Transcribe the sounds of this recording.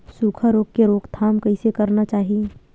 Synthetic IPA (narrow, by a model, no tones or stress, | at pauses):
suːkʰaɾoːkkeɾoːkt̪ʰaːmkɐɪsekɐɾnat͡ʃaːɦie